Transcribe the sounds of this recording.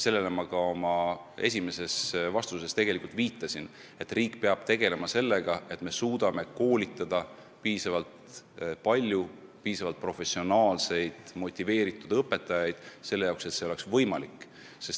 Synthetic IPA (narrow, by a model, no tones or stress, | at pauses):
se̞lːele̞mɑkɑo̞mɑe̞̰s̬ʲime̞se̞svɑst̪use̞st̪e̞ɡ̥e̞likult̪viːt̪ːˑɑsin | e̞t̪ːriːkːpeɑb̥t̪e̞ɡ̥e̞le̞mɑse̞lːe̞ɡ̥ɑe̞t̪ːme̞suːd̪ɑme̞ko̞ːlit̪ːˑɑd̪̥ɑ | piːsɑvɑlt̪pɑlʲjupiːsɑvɑlt̪̚pro̞fe̞sio̞nɑːlse̞jd̪̥mo̞t̪ʲːive̞ːɾit̪ːˑud̪ɤpːˑe̞t̪ːˑɑjɑjd̪̥se̞lːejɑwkse̞t̪se̞o̞le̞ksvɤ̞jmɑlikːˑ | se̞s